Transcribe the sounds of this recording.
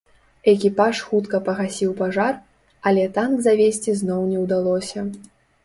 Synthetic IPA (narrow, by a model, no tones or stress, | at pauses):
ɛkʲipaʂxut̪kɐpɐɣasʲiwpaʐar | ɐlʲɛt̪anɡzavʲesʲt͡sʲiznɔwnʲɛwd̪alˠɔsʲɐ